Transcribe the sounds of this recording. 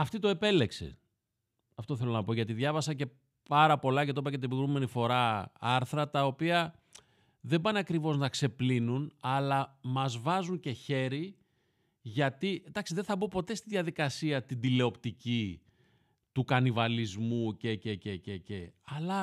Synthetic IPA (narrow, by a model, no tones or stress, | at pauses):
ɐft̪it̪o̞e̞pe̞le̞ksḛ | ɐft̪o̞θe̞lo̞nɐpo̞ʝɐt̪̬iðʝɐvɐsɐce̞ | pɐɾɐpo̞lɐce̞t̪o̞pɐcet̪ibiɣɾume̞nifo̞ɾɐɐɾθɾɐt̪ɐo̞piɐ | ðe̞bɐnɐkɾivo̞znɐkse̞plinunɐlɐmɐzvɐzuɲce̞çe̞ɾi | ʝɐt̪id̪ɐksiðeθɐbupo̞t̪e̞st̪iðʝɐðikɐsiɐt̪ind̪ile̞o̞pt̪ici | t̪ukɐnivɐlizmuce̞cecececeɐlɐ